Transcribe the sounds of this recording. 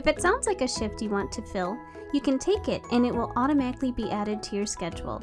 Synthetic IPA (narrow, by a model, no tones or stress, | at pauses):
ɨfɨtsãʊ̃ndz̥laɪkɨʃɪftɨwɑ̃ntʰɨfɪlˠ | jɨkɨ̃ntʰeɪkɪɾʔɨ̃nɨʔ̚wɪlˠɔɾɨmæɾɨklibiʔæɾɨd̚tʰɨjə˞skɛd͡ʒw̰l̩ˠ